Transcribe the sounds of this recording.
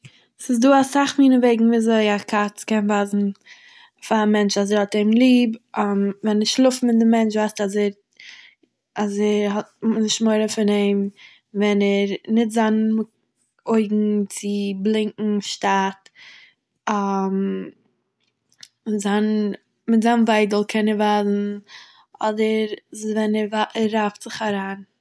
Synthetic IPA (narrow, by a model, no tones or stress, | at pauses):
sɪs̬duːasaχmiːnəveɪɡŋ̩viːzoɪakʰat͡skɛnvaːzn̩ | faamɛnt͡ʃazɛɾhɔteɪmlˠiːbamvɛnɛɾʃlˠʊfm̩ɪndɪmɛnt͡ʃvaɪstazɛɾ | azɛɾɦɔt̚nɪʃmoɪɾəfɪneɪm | vɛnɛɾnɪtzan | oɪɡŋ̩t͡sɪblˠɪŋkŋ̩ʃtat | am | mɪtzan | mɪtzaːnvaɪdəl̩ˠkʰɛnəɾvazn̩ | ɔdəɾvɛnɛɾvaɛɾːaftz̥ɪχaɾaːn